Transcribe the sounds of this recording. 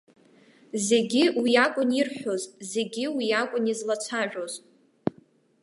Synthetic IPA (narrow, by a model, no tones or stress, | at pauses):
ze̞ɡʲiwiakʷʼʊnirħʷᶣozze̞ɡʲiwiakʷʼʊnizlat͡sʷʰaʒᶣʷoz